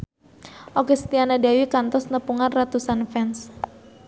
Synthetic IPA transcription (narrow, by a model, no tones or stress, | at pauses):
ʔokɛst̪ianadawikant̪ɔsnəpuŋanrat̪usanfɛns